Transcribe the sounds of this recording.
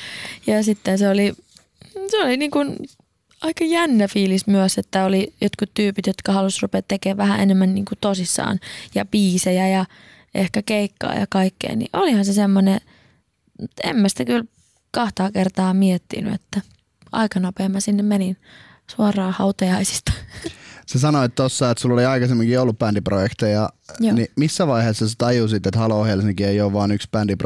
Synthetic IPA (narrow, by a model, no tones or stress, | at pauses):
jɑsit̪ːenseoli | seoliniːŋkun | ɑikɑjænːæfiːlismyøset̪ːæolijot̪kut̪t̪yːpit̪jot̪kɑhɑlusrupeːt̪ːekeːʋʋæhæ̰ʔḛnemːænnḭːŋkut̪osisːɑ̰ːnjɑ̰piːsejæjɑ | ʔehkækeikːɑ̰ːjɑ̰kɑikːḛinḭʔolihɑnsesemːone | mut̪ḛmmæsi̥t̪ækyl | kɑht̪ɑːkert̪ɑːmiet̪ːḭny̰ḛt̪ːæ | ʔɑ̰ikɑnopeːmːɑsinːemmenin | suɑrɑːhɑut̪ɑjɑisi̥st̪ɑ̥ | sesɑnoet̪t̪osːɑet̪sulːoiɑikɑsemːiŋkiːolːuppændiprojekt̪ejɑnimisːæʋɑiheːsːɑset̪ɑjusit̪ːet̪hɑlohelsiŋkieioʋʋɑːnykspænd̥ip